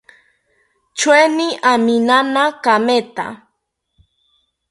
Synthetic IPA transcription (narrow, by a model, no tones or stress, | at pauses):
t͡ʃweniʔaminanakamet̪a̰